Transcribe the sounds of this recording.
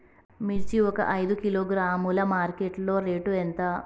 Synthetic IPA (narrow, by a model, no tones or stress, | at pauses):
miɾt͡ʃiɔkɐ̰ʔɐjd̪ukiloːɡɾaːmulɐmaːɾkeʈlo̞ːɾe̞ːʈuent̪ɐ